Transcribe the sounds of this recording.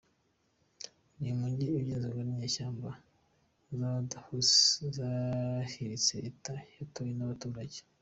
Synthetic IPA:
nimuɲɟiiβjezoɡaɾiɲeːʃaːmba | zadhuszahiɾit͡seitajatujenaβatuːɾaɟe

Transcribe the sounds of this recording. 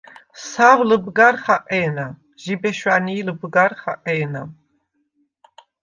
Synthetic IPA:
savləbɡaɾχaqʼɛːna | ʒibɛʃwaniːləbɡaɾχaqʼɛːna

